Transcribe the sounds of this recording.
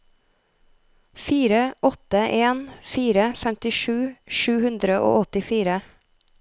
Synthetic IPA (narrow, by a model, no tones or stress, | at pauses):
fiːɾəʔɔt̪əʔeːnfiːɾəfɛmt̪ɪʃʉːʃʉːhʉnd̪ɾəʔo̰ːɔt̪ɪfiːɾə